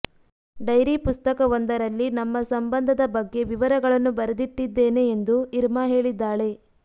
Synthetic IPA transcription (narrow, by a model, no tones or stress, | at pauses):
ɖɐjɾipust̪ɐkɐʋond̪ɐɾɐlːinɐmːɐsɐmbɐnd̪ʱɐd̪ɐbɐɡːe̞ʋiʋɐɾɐɡɐɭɐnːubɐɾɐd̪iʈːid̪ːe̞ːne̞ːnd̪uiɾmaːɦe̞ːɭid̪ːaːɭe̞